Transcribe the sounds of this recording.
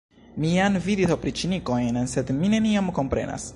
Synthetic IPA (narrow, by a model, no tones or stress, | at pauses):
mianvidisopɾit͡ʃiniko̞jnse̞dmine̞niamko̞mpɾe̞̰na̰s